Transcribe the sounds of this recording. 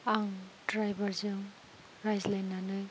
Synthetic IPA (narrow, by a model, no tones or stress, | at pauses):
aŋdɾajbaɾzɯŋ | ɾajzlajnːanɯj